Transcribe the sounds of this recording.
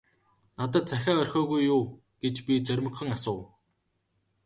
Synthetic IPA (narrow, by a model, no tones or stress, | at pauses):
nat̪̬ə̆t̪̚t͡sæxʲaːœrʲxʲɔːɣujːuː | ɡ̥et͡ɕpʲit͡sœɾʲmə̆kχə̆ŋasʊːw